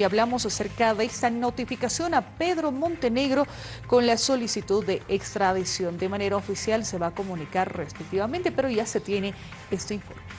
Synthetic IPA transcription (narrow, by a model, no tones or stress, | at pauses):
aβlamo̞sase̞ɾkaðest̪ano̞t̪ifikasjo̞nape̞ðɾo̞mõ̞nt̪e̞ne̞ɣɾo̞ | ko̞nlaso̞lisit̪uðːeekst̪ɾaðisjo̞nd̪e̞mane̞ɾaofisjalse̞βako̞mũnikaɾrespek̚t̪iβament̪e̞pe̞ɾo̞ʝase̞t̪je̞ne̞ | est̪eiɱfoɾme